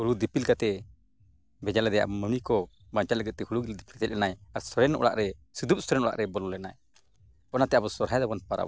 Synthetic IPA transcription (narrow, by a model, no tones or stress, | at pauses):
huɽud̪ipilkat̪ɛ | bɛd͡ʒalɛd̪ɛja̰ʔməmikɔ | baɲt͡ʃaləɡɛt̪̚t̪ɛhuɽuɡild̪ipʰilt̪ɛlʔɛnajaɾsɔɾɛnɔ̰ɽa̰ʔɾɛsud̪up̚sɔɾɛnɔɽa̰ʔɾɛbɔlɔlɛnaj | ɔnat̪ɛabɔsɔɾɦajd̪ɔbɔnpaɾa̰